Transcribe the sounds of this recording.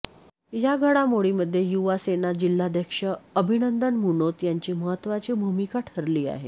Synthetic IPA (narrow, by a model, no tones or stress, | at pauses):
jaɡʱəɽamoɭiməd̪ʱːjejuʋasenad͡ʑil̤ːad̪ʱəkʂəəbʱinənd̪ənmunot̪jaɲt͡ɕiːməɦət̪ːʋat͡ɕiːbʱumikaʈʰəɾliːa̰ɦe